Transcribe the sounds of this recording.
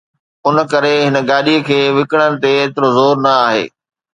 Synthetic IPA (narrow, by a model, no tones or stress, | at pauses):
ʊnə̆kɐɾeɦɪn̆ɡaːɗiəkʰeːʋɪkəɽ̃ənɪ̆t̪eːt̪ɪɾozoːɾnɐaːɦḛː